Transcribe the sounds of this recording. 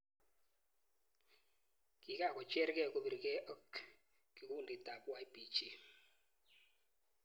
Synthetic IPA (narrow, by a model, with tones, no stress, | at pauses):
k̬ʼi˨k̬a˨kɔ˨t͡ʃʼɛ˦ɾk̬ɛ˦ku˨ɓi˨ɾi˨kɛ˦ʔɔ˦k | ki˨ku˦ndʱi˨dʱa˨ɓu˦a˦˨i˦bi˦t͡ʃi˦